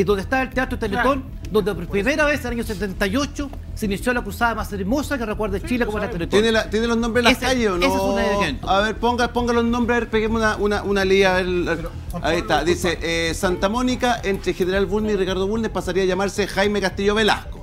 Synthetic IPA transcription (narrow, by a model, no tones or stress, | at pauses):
iðond̪est̪aelt̪eat̪ɾot̪elet̪on | d̪ond̪epɾpɾimejɾaβeslaɲoset̪ent̪ajot͡ʃo | seinisjolakɾusaðamaseɾmosakerekweɾðet͡ʃilekomoelat̪elet̪oenelat̪jenelono̞mbɾelakaʝesonesoesunakentaβeɾpoŋɡapoŋɡalosno̞mbɾeβepeɣemunaʔunaʔunaliaβeɾ | ait̪aðiseʔesant̪amo̞nikaʔent̪ɾexeneɾalβulneirikaɾðoβulnehpasaɾiaʝamaɾsexajmekast̪iʝoβela̰hko